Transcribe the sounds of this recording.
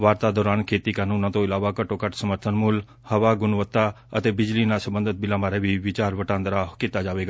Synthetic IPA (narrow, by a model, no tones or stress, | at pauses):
ʋaːɾt̪ad̪ɔːɾaːnkʰeːt̪ikaːnuːnãt̪oɪlaːʋakəʈokəʈsəməɾt̪ʰənmʊl | həʋaɡʊnʋət̪ːa | ət̪ebɪd͡ʒlinasəbə̃nd̪ʱət̪̚bɪlãmaːɾeʋiʋɪt͡ʃaːɾʋəʈãːnd̪ɾakɪt̪ːad͡ʒaːʋeːɡa